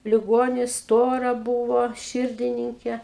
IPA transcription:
lʲɪˈɡoːnʲɪs ˈstoːrɐ ˈbuːʋoː ˈʃʲɪrʲdʲɪnʲɪŋʲkʲeː

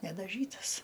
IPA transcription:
nʲɛdɐˈʒʲiːtɐs

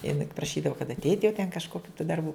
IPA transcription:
jɪˈnɐɪ pɐprɐˈʃʲiːdɐʋʊ kɐt ɐtʲˈɛɪtʲ jɛʊ tʲɛn kɐʃkoːˈkʲuː tuː dɐrˈbuː

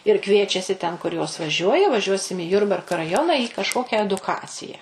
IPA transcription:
ɪr ˈkʋʲiɛt͡ʃʲɛsʲɪ tʲɛn kʊr joːs ʋɐˈʒʲuɔjɛ ʋɐˈʒʲuɔsʲɪm iː ˈjʊrbɐrkɐ rɐˈjoːnɐ iː kɐʃˈkoːkʲɛ ɛdʊˈkɑːt͡sʲɪjɛ

